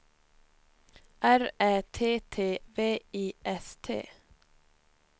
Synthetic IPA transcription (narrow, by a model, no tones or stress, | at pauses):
ʔæɾæːt̪ʰeːt̪ʰeːʋeːiːʔɛst̪ʰḛː